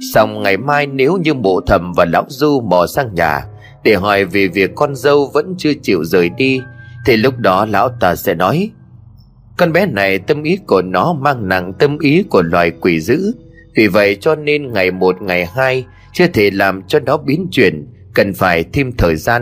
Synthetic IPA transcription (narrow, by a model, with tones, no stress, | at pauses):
sa˧wŋ͡mŋa˨˩jmaː˧jne˨˦wɲɨ˧mo̰˧˨t̪ʰə˨˩mvaː˨˩la̰ː˧˥wzu˧mɔ˨˩saː˧ŋɲa̰ː˨˩ | ɗe˧˩ɦɔ˨˩jve˨˩vi˨˩əkːɔ˧nzə˧wvə̰˧˥nt͡ɕɨ˧ət͡ɕḭ˧˨əwzəː˨˩jɗi˧t̪ʰi˨˩lʊ˦˥k͡p̚ɗɔ˨˦la̰ː˧˥wt̪aː˧˩sɛ̰˧˥nɔ˨˦j | kɔ˧nɓɛ˨˦na˨˩jt̪ə˧mʔi˨˦ku˧˩ənɔ˨˦maː˧ŋna̰˧˨ŋt̪ə˧mʔi˨˦ku˧˩əlwa̰ː˨˩jkwi˧˩zɨ̰˧˥ | vi˨˩və̰˧˨jt͡ɕɔ˧ne˧nŋa˨˩jmo˨˩t̚ŋa˨˩jhaː˧j | t͡ɕɨ˧ət̪ʰe˧˩laː˨˩mt͡ɕɔ˧nɔ˨˦ɓi˨˦ənt͡ɕwḭ˧˩ən | kə˨˩nfaː˧˩jt̪ʰi˧mt̪ʰəː˨˩jzaː˧n